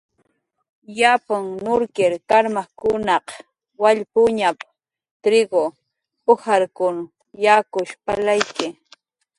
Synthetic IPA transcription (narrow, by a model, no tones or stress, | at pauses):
japaŋnʊɾkɪɾkaɾmakʊnɑq | waʎpʊɲap | t̪ɾɪɡo | pʊhaɾkʊn | jakʊʃpalajkɪ